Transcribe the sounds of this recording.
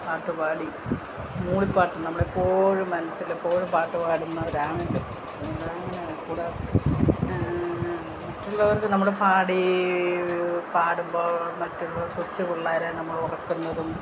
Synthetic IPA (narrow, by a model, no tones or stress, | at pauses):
paːʈːupaːɽi | muːɭipːaːʈːumnɐmːuɽepːoɻumɐnɐsilepːoːɻupaːʈːupaːɽumnːaɾaːmɐɖɨoɐnːɐɭɐɐŋːɐne | kuːɽe | mɐtːuɭːɐɐɾkɨnɐmːuɽepaːɽi | paːɽumboːmɐtːuɭːɐkut͡ɕːɨkuɭːaːɾenɐmːɐɭurɐkːunːɐðum